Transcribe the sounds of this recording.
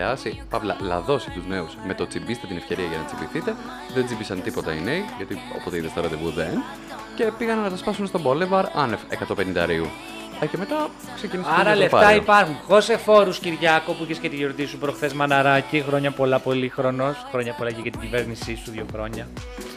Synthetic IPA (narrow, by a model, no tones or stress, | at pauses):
ɐsipɐvlɐ̰lɐ̰ðo̞si̥t̪uzne̞usme̞t̪o̞t͡simbist̪et̪inefce̞ɾiɐʝɐnɐt͡simbiθit̪e̞ | ðend͡zimbisɐnt̪ipo̞t̪ɐineiʝɐt̪io̰pot̪eiðest̪ɐɾɐt̪evuðen | ce̞piɣɐnɐnːɐt̪ɐspɐsunst̪obolevɐɾɐnefḛkɐt̪ope̞nĩnd̪ɐɾiu | eceme̞t̪ɐ | ksecinisɐɾɐlefɐɐipɐɾxunxo̞se̞fo̞ɾusciɾʝɐkopuiçescet̪iʝoɾt̪isupɾo̞xθe̞zmɐnɐɾɐcixɾo̞ɲɐpo̞lɐpo̞lixɾo̞no̞sxɾo̞ɲɐpolɐʝeʝɐt̪iɟiveɾnisist̪uðʝoxɾo̞ɲɐ